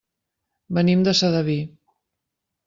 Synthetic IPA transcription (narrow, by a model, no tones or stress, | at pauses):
bənimd̪əsəðəβi